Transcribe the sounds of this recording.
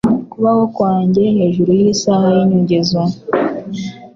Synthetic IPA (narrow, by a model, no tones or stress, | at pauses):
kuβaho̞kwaːɲɟe̞he̞ːʒuɾujiːsahajiɲuɲɟezwa